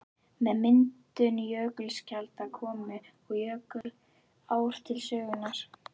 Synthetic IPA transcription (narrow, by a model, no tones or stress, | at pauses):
mɛðmɪnt̪ʏnjœːkʏlscalt̪akʰɔːmʏ | ɔɣjœːkʏɾ | aːwɾ̥t̪ʰɪlsœːɣʏnaɾ̥